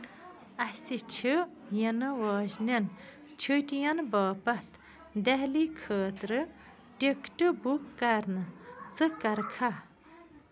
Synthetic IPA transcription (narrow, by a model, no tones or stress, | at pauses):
ɐsit͡ʃʰɨjɐnɨʋaːʑnen | t͡ʃʰuʈjɐnbaːpɐt̪ | d̪eɦlikʰəːt̪ɾɨ | ɖekʈɨbukːɐɾnɨt͡sɨkɐɾkʰa